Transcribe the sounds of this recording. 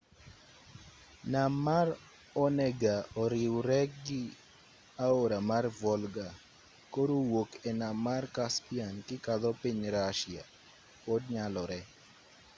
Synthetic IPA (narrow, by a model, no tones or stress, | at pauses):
namːar | ɔnɛɡaɔɾɪwɾɛkɡɪ | aoɾamarvɔlɡa | koɾowokɛnamːarkaspiankɪkad̪ɔpiɲɾaʃɪa̰ | kɔdɲalɔɾɛ